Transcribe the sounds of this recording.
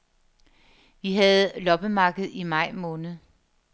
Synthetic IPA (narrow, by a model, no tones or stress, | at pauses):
ʋiɦæð̩ˠlɒ̽b̥əmɑ̈ːɡ̥ð̞̩ˠimɑ̈ɪ̰mɔ̽ːnð̩ˠ